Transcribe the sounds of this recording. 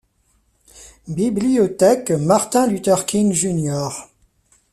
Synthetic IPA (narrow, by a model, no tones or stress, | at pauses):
bibliɔt̪ɛkmaʁt̪ɛ̃lyt̪ɛʁkʰʲiŋʒynjɔʁ